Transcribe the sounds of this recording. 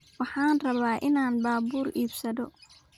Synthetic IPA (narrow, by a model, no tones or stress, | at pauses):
wɑħɑːnrɐβaːʔɪnaːnbaːbuːriːbsɐðɔ